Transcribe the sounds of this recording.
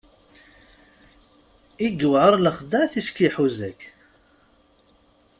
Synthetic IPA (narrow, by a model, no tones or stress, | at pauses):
iɡuwʕəɾˤləχd̪æθiʃkiħuzækː